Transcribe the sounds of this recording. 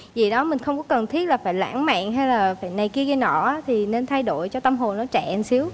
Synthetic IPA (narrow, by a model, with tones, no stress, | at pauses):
zi˨˩ɗɔ˨˦mï˨˩ŋ̟xə˧wŋ͡mkɔ˨˦kə˨˩nt̪ʰi˦˥t̚laː˨˩faː˧˩jla̰ː˧˥ŋma̰ː˧˨ŋɦa˧jlaː˨˩faː˧˩jna˨˩jki˧əɣi˧jnɔ̰˧˩ʔaː˨˦t̪ʰi˨˩ne˧nt̪ʰa˧jɗo̰˧˨jt͡ɕɔ˧t̪ə˧mɦo˨˩nːɔ˨˦t͡ɕa̰ː˧˨nsi˨˦əw